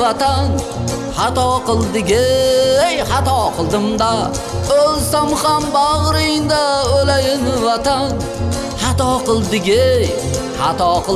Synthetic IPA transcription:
at̪ʰan | hɑt̪ʰɒqʰɨlˠd̪ɪɡʲɪjhɑt̪ʰɒqʰɨlˠd̪ɪmd̪a | olsamχambaʁɾɪŋd̪aolajɪnvat̪an | hɑt̪ʰɒqɨlˠd̪ɪɡʲɪj | hɑt̪ʰɒqɨ

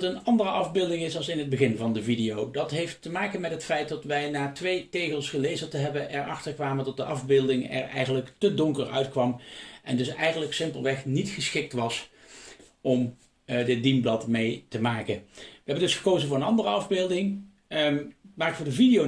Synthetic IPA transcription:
tənɑndərəʔɑvbɪːlˠdɪŋɪsɑlˠsɪnɦəd̚bəɣɪnvɑndəvidɪjowdɑtɦejftəmaːkəmɛtɦətfɛjt̚dɑtʋɛjnaːtʋejtejkəlˠsχəlejzətəɦɛbəʔɛɹɑ̰χtəɹkʋaːməntɔt̚dəʔɑvbɪːlˠdɪŋɛ̰ɹɛ̰jχənləktədɔŋkəɹœ̰ɥtkʋɑmʔɛ̰ndɵsɛjχənləksɪmpəlˠʋɛχnitχəsχɪk̚tʋɑs | ʔɔm | dɪt̚dimblɑtmejtəmaːkəʋəɦɛbəndɵsχə̥kowzənvʊːɹənɑndərəɑvbɪːlˠdɪŋ | maːɹktfʊːɹdəvidijo

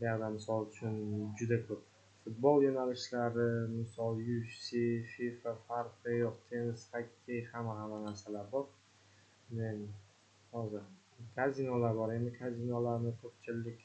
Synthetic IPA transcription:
dad̪amɪsɒlˠʊt͡ʃʰʊnd͡ʒʊd̪akʰɵp̚ | fʊt̪̚bɒlˠjonalɪʃlaɾɪmɪsɒlˠjʊʃsififafaɾqʰɨjɒqt̪ʰenɪshakʲʰːejhamːaɦamanaɾsalaɾbɒɾ | men | hɒzɪa | kʰazinɒlaɾbɒɾend̪ɪkʰazinɒlaɾnɪkʲʰɵpt͡ʃʰɪlɪkʲ

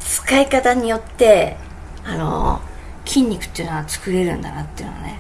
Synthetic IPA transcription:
t͡sɨ̥kaikat̪aɲ̟ijo̞t̪ːe̞ | ano̞̰ | kʲʰĩɲ̟ʲːikɯ̥t̪ːeiɯnoat͡sɨ̥kɯ̟ɾe̞ɾɯ̟̰̃nd̪anat̪ːeiɯ̟noa̰ne̞

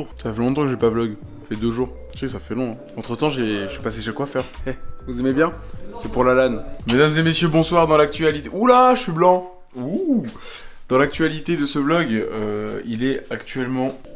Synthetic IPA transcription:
ʁt̪yafɛlɔ̃t̪ɑ̃kəʒepablɔɡ | ḁfɛd̪øʒuːʁ | sɛkəsafɛlɔ̃ɛ̃ɑ̃t̪χət̪ɑ̃ʒeɥipaseʃakwafɛʁɛvuzɛmebjɛ̃sɛpuʁlalanmed̪amzemesjøbɔ̃swaʁd̪ɑ̃lak̚t̪ɥalit̪eʔulaʃʃɥiblɑ̃ | u | d̪̥ɑ̃lak̚t̪ɥalit̪ed̪əsəblɔɡøilɛakt̪ɥɛlmɑ̃

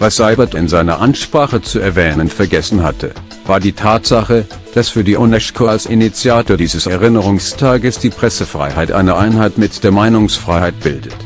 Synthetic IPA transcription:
vasz̥aɪbɐtɪnzaɪnɐ̰ʔanʃpʁ̥aːχət͡suɛɐvɛːnənfɛɐɡɛsn̩hatʰə | vaːɐdiːtʰaːtz̥aχə | d̥asfyːɐdiːʔʊnɛʃkʰolsʔinit͡sjaːtoːɐdiːzəsɛʁɪnəʁʊŋstʰaːɡəsd̥iːpʁ̥ɛsəfʁ̥a̰ɪhaɪtʔa̰ɪnɐʔaɪnhaɪtmɪtd̥eːɐmaɪnʊŋsfʁ̥aɪhaɪt̚b̥ɪldət

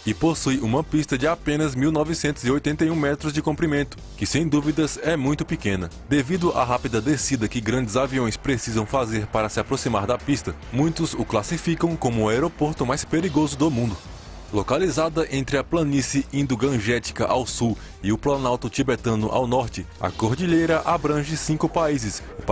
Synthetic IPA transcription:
ɪposujũmɐpist̪ɐd͡ʒɪapẽnɐzmiwnɔvɪsẽnt̪ʊziojt̪ẽnt̪ɐjũmɛt̪ɾʊzd͡ʒɪkõmpɾimẽnt̪ʊ̥kɪsẽj̃d̪uvid̪ɐsɛmũj̃t̪ʊpikẽnɐ | d̪evid̪ʊʔa̰ɦapid̪ɐd̪esid̪ɐkɪɡɾɐ̃nd͡ʒɪzaviõj̃spɾesizɐ̃w̃fazeɾpaɾɐsɪapɾosimaɾd̪ɐpist̪ɐ | mũj̃t̪ʊzʊklasifikɐ̃w̃kõmʊaɛɾopoɾt̪ʊmajspeɾiɡozʊd̪omũnd̪ʊ | lokalizad̪ɐʔẽnt̪ɾɪɐplɐ̃nisiĩnd̪ʊɡɐ̃ʒɛt̪i̥kɐʔawsu | ɪʊplɐ̃nawt̪ʊt͡ʃ̪ibet̪ɐ̃nʊ̰ʔa̰wnɔɾt͡ʃɪ | ɐ̰koɾd͡ʒiʎejɾɐʔabɾɐ̃ʒɪsĩkʊpaizɪsʊ

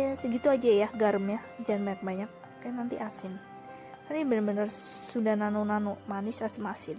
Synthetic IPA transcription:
səɡit̪uad͡ʒajahɡaɾəmɲahd͡ʒanbaɲak̚baɲak̚ | janant̪iʔasɪn | k̪anabənəbənərsudahnanonanomanɪsasɪmasɪn

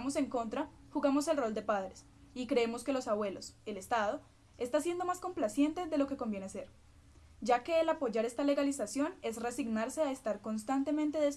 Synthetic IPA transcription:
mose̞ŋko̞nt̪ɾa | xuɣamo̞se̞lro̞ld̪e̞paðɾe̞s | ikɾe̞emo̞ske̞lo̞saβwe̞lo̞se̞le̞st̪aðo̞ | e̞st̪asje̞nd̪o̞masko̞mplasje̞nt̪e̞ðe̞lo̞ke̞ko̞mbje̞nese̞ɾ | d͡ʒake̞ːlapo̞ʝaɾe̞st̪ale̞ɣalisasjo̞ne̞sresiɡnaɾse̞aest̪aɾko̞nst̪ant̪e̞mẽ̞nt̪e̞ðes

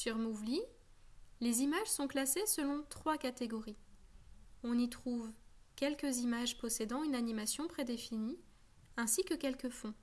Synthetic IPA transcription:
syʁmuvli | lezimaʒsɔ̃klasesəlɔ̃t̪χwakat̪eɡɔʁi | ɔ̃nit̪χuvkʲɛlkəzimaʒpɔsed̪ɑ̃ynanimasjɔ̃pχed̪efini | ɛ̃sikəkʲɛlkəfɔ̃

